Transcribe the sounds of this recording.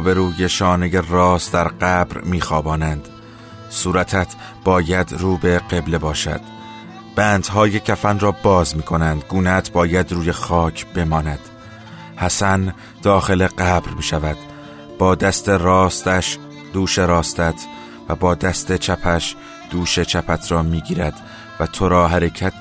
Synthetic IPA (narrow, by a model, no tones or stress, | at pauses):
be̞ɾuːjeʃɒːnejerɒːsd̪æɾɢæːbɾmiːxɒːbɒːnænd̪̥ | suːɾæt̪ʰæt̪ʰ | b̥ɒːjæd̪ruːbe̞ɢe̞ble̞bɒːʃæ̰d̪̥ | b̥æːnd̪̥ɦɒːjecʰæfænrɒːbɒːzmiːkʰo̞nænd̪ɡuːnæt̪ʰbɒːjæd̪ruːje̞xɒːcʰb̥e̞mɒːnæd̪̥ | hæsæn | d̪̥ɒːxe̞le̞ɢæbɾmiːʃævæd̪̥ | b̥ɒːd̪æst̪e̞rɒːst̪æʃ | d̪uːʃe̞ɾɒːst̪æt̪ʰ | væbɒːd̪æst̪et͡ʃʰæpʰæʃ | d̪̥uːʃe̞t͡ʃʰæpʰæt̪ʰɾɒːmiːɟiːɾæd̪̥ | væt̪ʰoɾɒːɦæɾe̞cʰæt̪